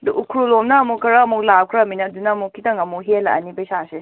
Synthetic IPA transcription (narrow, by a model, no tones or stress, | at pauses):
duʔukʰɾulomnɐːmukʰɐɾaːmuk̚law̚kʰɾɐminɐdunɐmukʰitɐŋɐmuɦelɐʔɐnipɐjsase